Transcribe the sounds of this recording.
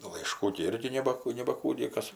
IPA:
lˠɐɪˈʃkuː ɡʲɪ ˈɪrʲɡʲɪ ˈnʲæːbɐ nʲɛbɐˈkuː ˈnʲiɛkɐs

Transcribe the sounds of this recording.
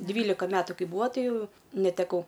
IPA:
ˈdʲʋʲiːlʲɪkɐ ˈmʲæːtʊ ˈkɐɪ ˈbuːɐ ˈtɐɪ ˈjɛʊ nʲɛtʲɛˈkɐʊ

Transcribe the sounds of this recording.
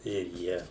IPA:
ɪr ˈjiɛ

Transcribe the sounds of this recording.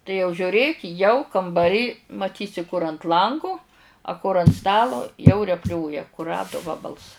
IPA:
tɐɪ jɛʊ ʒʲʊˈrʲeːk jɛʊ kɐmbɐˈrʲiː mɐˈtʲiːsʲɪ kʊr ɐnt ˈlˠɐŋɡʊ ɐ kʊr ɐnt ˈstɑːlˠoː jɛʊ rʲɛpʲˈlʲoːjɛ kʊˈrɑːdʊ ˈʋɑːbɐlˠs

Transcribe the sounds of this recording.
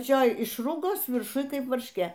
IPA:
ɐpɐˈt͡ʃʲoːj ˈɪʃrʊɡoːs ʋʲɪrˈʃʊj ˈkɐɪp ʋɐrʲʃʲˈkʲeː

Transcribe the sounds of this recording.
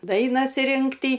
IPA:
ˈdɐɪnɐs ˈrʲɪŋktʲiː

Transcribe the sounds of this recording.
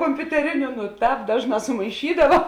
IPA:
koːmʲpʲʊtʲɛˈrʲɪnʲʊ nʊ ˈtɑːp ˈdɑːʒˌnɑː sʊmɐɪˈʃʲiːdɐʋɐ

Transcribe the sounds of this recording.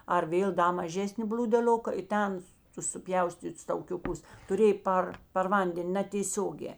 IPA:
ɐr ˈʋʲeːlˠ ˈdɐ mɐˈʒʲæːsʲnʲɪ bʲlʲuːdʲɛˈlʲoːkɐ ɪ ˈtʲɛn tʊs sʊˈpʲjɛʊsʲtʲiːts tɐʊkʲʊˈkʊs tʊˈrʲeːj ˈpɐr pɐr ˈʋɐnʲdʲɛn nɐtʲeːˈsʲoːɡʲɛː

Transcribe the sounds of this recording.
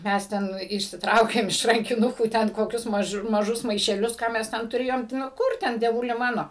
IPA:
ˈmʲɛs ˈtʲɛn ɪʃʲsʲɪˈtrɐʊkʲeːm ɪʃ rɐŋʲkʲɪˈnʊkuː ˈtʲɛn koːˈkʲʊs mɐˈʒʊ mɐˈʒʊs mɐɪʃʲɛˈlʲʊs ˈkɑː mʲɛs ˈtʲɛn tʊˈrʲeːjoːm tʲɪ ˈnoː ˈkʊr tʲɛn dʲiɛˈʋʊlʲɪ ˈmɑːnoː

